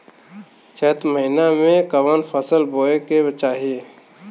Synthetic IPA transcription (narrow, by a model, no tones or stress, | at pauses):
t͡ʃəːt̪məɦinamẽkəʋənpʰəsəlboːeket͡ʃaːɦe